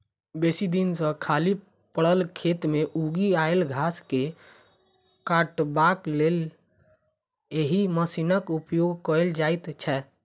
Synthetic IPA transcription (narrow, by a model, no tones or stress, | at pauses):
besid̪insə̃kʰali | pəɽəlkʰet̪meʔuɡiaelɡʱaske | kaʈbaklel | jeɦiməsinəkupjoɡkəld͡ʒajt̪t͡ʃʰɛ